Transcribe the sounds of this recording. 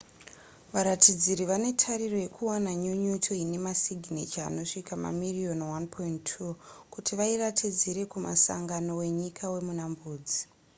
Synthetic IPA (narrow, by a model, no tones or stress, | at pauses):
ʋaɾatid͡ziɾiʋane̞tʰaɾiro̞je̞kʰuwanaɲuɲutʰoine̞masiɡʱnet͡ʃia̰no̞ʂikama̰mirio̞nwanpʰointʰukutʰiʋairatʰid͡ziɾe̞kuma̰sa̰ŋɡano̞we̞ɲikʰawe̞munambuːd͡zi̥